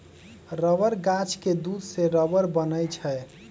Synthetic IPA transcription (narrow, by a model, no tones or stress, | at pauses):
ɾəʋəɾɡat͡ʃked̪ud̪seɾəbəɾbənəjt͡ʃʰɛ